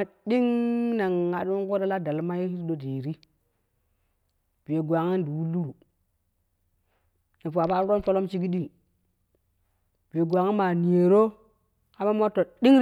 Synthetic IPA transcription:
di˦ŋna˨ŋa˨du˦ko˦da˦la˦da˨lma˦ji˦i˦do˨de˨ɾi˦ | b̥i˨je˨ɡʷa˨ŋi˦ndi˨wu˦lːu˦ɾu˨ | ni˨pu˨a˨ba˦ɾɾo˦n˦fo˦lo˦mt͡ʃi˦ɡi˦ɗi˦ŋ˨ | b̥i˨e˨ɡʷa˨ŋi˦ma˨ni˨e˨ɾo˦ | a˦ma˦m˦o˦tːo˨ɗi˦ŋ

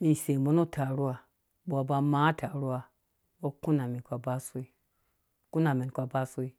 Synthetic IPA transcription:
mi˨se˨mo˦nu˦tʰa˨ɾu˦a˨ | bo˨a˨ba˨ma˦tʰa˨ɾu˦a˨ | bo˦ku˦na˨mi˨kʷa˨ba˦su˦i˦ | ku˦na˨mi˨n˨kʷa˨ba˦su˦i˦

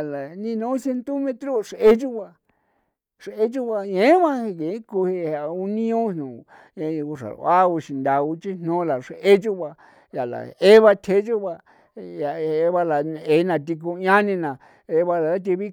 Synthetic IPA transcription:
la˨nĩ˦˧nũ˨˦se˧nt̪i˦mẽ˧t̪ɾo˦ʂe˦t͡ʃu˦βa˧ | ʂe˦t͡ʃu˦βa˧ɲẽ˨˦βa˦˧ke˨˦ku˧he˧a˧u˧nĩ˦õ˦nũ˨ | e˧u˧ʂa̰˨˧a˦u˧ʃi˧nd̪a˧u˧t͡ʃi˦n̥nõ˦la˨ʂe˦t͡ʃu˦βa˧ | ja˨la̰˨e˦βa˧t̪ʰe˧˦d͡ʒu˦βa˧ | ja˨˧βa˧la˨˧e˧˦˧nã˧t̪̬i˧k̬ũ˧ɲã˦nĩ˧nã˨ | e˧˦βa˧la˨a˦t̪̬i˧βi˦

